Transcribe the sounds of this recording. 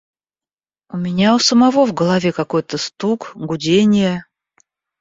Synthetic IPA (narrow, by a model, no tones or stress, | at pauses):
ʊmʲɪnʲaʊsəmɐvo̞vɡəlˠɐvʲekɐko̞jt̪əst̪ukɡʊdʲenʲɪjə